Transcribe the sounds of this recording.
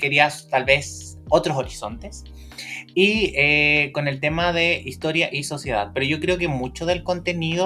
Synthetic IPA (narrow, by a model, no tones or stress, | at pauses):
ke̞ɾiast̪alβe̞so̞t̪ɾoso̞ɾiso̞nt̪e̞s | ieko̞ne̞lt̪e̞maðe̞ʔist̪o̞ɾjaʔiso̞sjeða̰ðpe̞ɾoʝo̞kɾe̞ok̬e̞mut͡ʃoðe̞lko̞nt̪e̞niðo